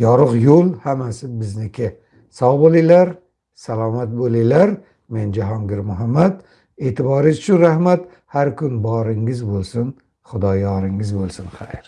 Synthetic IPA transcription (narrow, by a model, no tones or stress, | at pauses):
jɒɾɨqjolˠhamasɪbɪznɪkʲʰɪ | sɑwbolˠilaɾ | salˠɒːmat̪̚bolˠijlaɾ | me̞nd͡ʒaɦɒŋɡʲɪɾmʊɦamːad̪ | eːt̪ʰɪbɒɾɪʃt͡ʃʰʊnɾahmat̪ | haɾkʰʊnbɒɾɪŋɪzbolˠsʊn | χʊd̪ɒjɒɾɪŋɪzbolˠsʊnχajɾ